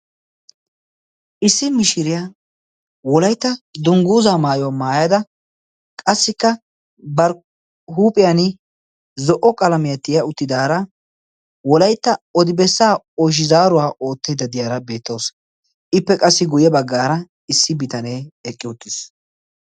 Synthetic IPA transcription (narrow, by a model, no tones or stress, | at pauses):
ʔɪsːɪmɪʃɪɾɪjaː | wɔlɐjt̪ːɐd̪ʊŋɡuːzaːmaːjɔwamaːjad̪ɐ | kʼɐsːɪkːɐ | bɐɾ | ɦuːpʼɪjanɪ | zɔʔɔkʼɐlɐmɪjɐt̪ːɪjɐʊt̪ːɪd̪aːɾɐ | wɔlɐjt̪ːɐɔd̪ɪbɛsːaː | ɔʃ̬ɪzaːɾʊwaːʔo̞ːt̪ːejd̪ɐd̪ɪjaːɾɐbe̞ːt̪ːo̞ːs | ɪpːɛkʼɐsːɪɡʊjɛbɐɡːaːɾɐ | ɪsːɪbɪt̪ɐneːɛkʼːɪʊt̪ːɪs